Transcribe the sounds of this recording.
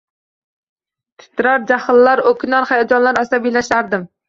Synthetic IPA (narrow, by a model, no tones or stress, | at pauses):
t̪ʰɪ̥t̪ʰːɪɾaɾd͡ʒahɨlːaɾokʲʰɪnaɾχajad͡ʒɒnlaɾasabijlaʃlaɾd̪ɪm